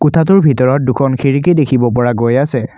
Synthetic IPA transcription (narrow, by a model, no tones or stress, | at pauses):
kʊtʰat̬ʊɹbʱitɔɹɔt̚dukʰɔnxʰiɹik̬edekʰibɔp̬ɔɹaɡojasɛ